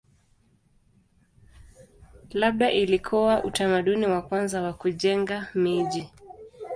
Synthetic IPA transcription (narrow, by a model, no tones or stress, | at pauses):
laɓ̚ɗaʔilikʰɔwaʔutamaɗuniwakwanzawakuʄɛŋɡamiʄi